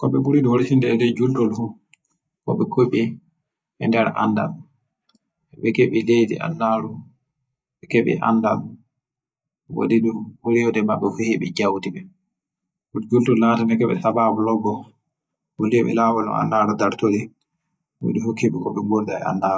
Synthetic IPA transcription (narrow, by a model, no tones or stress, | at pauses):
kɔɓɛbuɾiduhoɾitindɛːdɛd͡ʒultɔlhu | kɔ̰ɓɛkoɓi | ʔɛndɛɾʔa̰nda̰l | ɛɓɛkeɓilejdḭʔa̰nːaɾu | ɓɛkeɓḭʔa̰ndal | wo̰diduwoɾijɔdɛmaɓːɛfihiɓɛ̰d͡ʒawtiɓɛ | bud͡ʒultɔlːaːtanɛkɛɓɛ̰sababulɔbːɔ | woliɛɓɛ̰lawɔnɔ̰a̰nːaɾudaɾtoli | wo̰dihukeɓikɔɓɛboldaɛ̰a̰nːaɾu